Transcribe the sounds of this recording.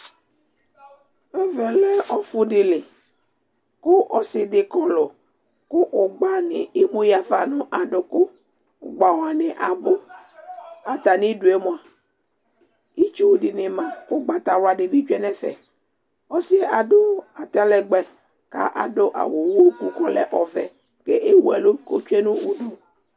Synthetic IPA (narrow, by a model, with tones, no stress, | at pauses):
e˦vɛ˨lɛ˦ʔɔ˨fʊ˦ɖɪ˨le˨ | kʊ˦ʔɔ˨sɪ˨de˨kɔ˦lɔ˨ | kʊ˦ʔo˨ɡ͡ba˦nḛ˨e˦mõ˦ja˨fa˨nʊ̃˦ʔa˨ɖo˨kʊ˦˨ | ɡ͡ba˨wa˦nɛ˨ʔa˨bo˦ | a˦t̪a˨nĩ˦du˨e˦mõ˦a˨ | i˦t͡ʃu˦˨dɪ˨nɪ˨mã˨kʊ˦ɡ͡ba˦t̪a˨ɾʊ˨˦a˨ɖe˨bi˦t͡ʃᶣɛ˦nɛ˦fɛ̰˨ | ɔ˦sɪ˦a˨ɖʊ˦a˨t̪a˨lɛ˨ɡ͡bɛ˨ | ka̰˦ʔa˨dʊ˦ʔa̰˨wo˨wo˦ku˦kɔ˦lɛ̰˨ʔɔ˨vɛ˨ | ke˦ʔe˦wu˦ɛ˨lo˦ko̰˦t͡ʃᶣɛ˦nũ˦u˨du˦